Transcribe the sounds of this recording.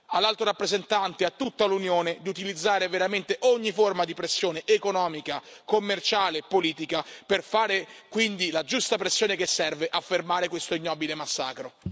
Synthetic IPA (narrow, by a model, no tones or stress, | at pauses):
alːalt̪oɾapːɾezent̪ant̪eat̪ːut̪ːalunjoːned̪iut̪ilid̪zːaːɾeveɾament̪eʔoɲːiformad̪ipɾesːjoːneʔekonɔːmikakomːert͡ʃaːlepoliːt̪ikaperfaːɾekwind̪ilad͡ʒust̪apɾesːjoːnekesːɛrveʔafːermaːɾekwest̪oinːɔːbilemasːa̰ːkɾo